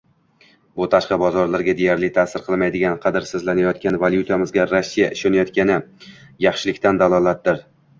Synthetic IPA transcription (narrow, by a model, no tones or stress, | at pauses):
bʊt̪ʰaʃqɑbɒzɒɾlaɾɡʲad̪e̞jaɾlɪt̪ʰasɪɾqʰɨlˠmajd̪ɪɡʲanqʰɑd̪ɪɾsɪzlanajɒt̪̚kʲanvalʲjut̪ʰamɪzɡʲaɾasːijaʔɪʃɒnajɒt̪̚kʲanɪjɑχʃɪlɪkʲt̪and̪alˠɒlˠat̪̚d̪ɪɾ